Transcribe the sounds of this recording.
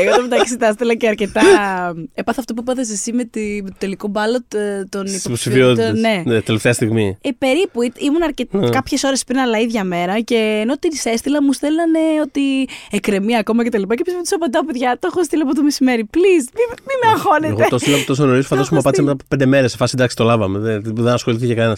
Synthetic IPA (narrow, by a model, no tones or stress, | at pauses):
ɣoomet̪ɐcisit̪ɐst̪elɐceɐɾce̞t̪ɐepɐθɐft̪opuepɐðɐs̬esimet̪imet̪ot̪e̞likobɐlo̞t̪oniposifione̞net̪eleft̪eɐst̪iɣmiepe̞ɾipuit̪imunɐɾcet̪kɐpçe̞so̞ɾe̞spɾinɐlɐiðʝɐme̞ɾɐce̞ːno̞t̪inisest̪ilɐmust̪elɐne̞o̞t̪iekɾe̞miɐko̞mɐce̞t̪ɐlipɐcepismut̪usɐpond̪ɐpopeðʝɐt̪oxost̪iliɐpot̪omesime̞ɾiplismimimeɐxo̞neɣoet̪ost̪ilɐpot̪os̬onoɾiso̥fɐd̪ospumɐpɐt̪isɐmt̪ɐpe̞nd̪eme̞ɾesefɐsend̪ɐksi̥t̪o̞lɐvɐmeðeðenɐsxoliθt̪ecekɐne̞nɐs